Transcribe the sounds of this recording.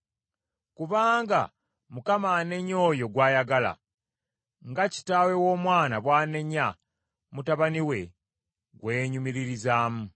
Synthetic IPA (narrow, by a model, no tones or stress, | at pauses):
kuβaːŋɡa̰ | mukamane̞ɲo̞ːjo̞ɡwaːjaɡala̰ | ŋɡaci̥taːwe̞wo̞ːmwaːnaβwaːne̞ɲa | mutaβaniwe̞ | ɡwe̞ːɲumiɾiɾizaːmu